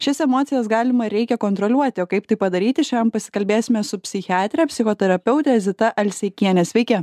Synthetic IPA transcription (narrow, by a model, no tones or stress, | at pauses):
ʃʲɪsɛmoːt̪sʲɪjɛsɡɑːlʲɪmɐɾʲɛɪkʲɛkoːnt̪ɾɔːlʲuɔt̪ʲɪoːkɐɪpt̪ɐɪpɐd̪ɐɾʲiːt̪ʲɪʃʲɛmpɐsʲɪ̥kɐlʲbʲeːsʲɪmʲɛsʊpʲsʲɪxʲɪɑːt̪ʲɾʲɛpʲsʲɪxoːt̪ʲɛɾɐpʲɛʊt̪ʲɛzʲɪt̪ɐʔɐlʲsʲɛɪkʲiɛnʲɛːsʲʋʲɛɪkʲɛ